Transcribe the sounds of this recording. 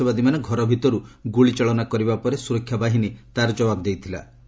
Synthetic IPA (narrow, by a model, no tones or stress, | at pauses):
ɔbad̪imaneɡʱɔɾɔbʱit̪ɔɾuɡuɭit͡ʃaɭɔnakɔɾibapɔɾesuɾɔkʰːjabaɦinit̪aɾɔd͡ʒɔbabd̪ejt̪ʰila̰